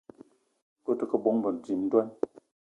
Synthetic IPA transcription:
ko˦tə˨kə˦bo˨˦ŋ˦bə˨n˨d͡zi˨m̩˦dwa˦n

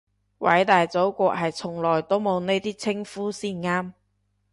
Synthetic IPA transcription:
wʔɐ̰˨˥jt̪aː˨jt͡so˨˥wkʷɔː˧k̚ɦɐ˨jt͡sʰʊ˨˩ŋlɔː˨˩jt̪o˥wmo˨˧wne˥jt̪iː˥t͡sʰɪ˥ŋfuː˥siː˥˩nŋaː˥m

